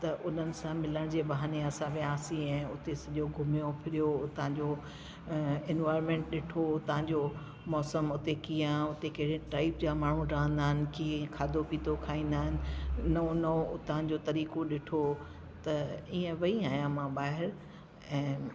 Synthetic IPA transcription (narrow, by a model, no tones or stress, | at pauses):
t̪ɐʔʊn̤ənɪ̆sãmɪləɽ̃d͡ʑeːɓɐɦaːneɐsãʋeãːsĩɛ̃ːʊt̪esɐʄoɡʱʊmijopʰɪɾijoʊt̪ɐãɲd͡ʑo | ɪnʋaːɪɾmẽːɳʈɗɪʈʰot̪ɐɦãɲd͡ʑo | mɔːsəmʊt̪ekijãʊt̪ekɐɽẽʈaːɪp̚d͡ʑamaːɳ̤ũɖãːɦə̃n̆d̪aːɦɪnɪ̆kikʰaːd̪ʱopiːt̪ʰokʰaːĩːnd̪aːɦɪnɪ̆nɐonɐoʊt̪ɐɦãd͡ʑot̪ɐɾiːkoɗɪʈʰo | t̪ɐiːə̃ʋɐiaːɦjãmãɓaːɦɪɾ | ɛ̃ː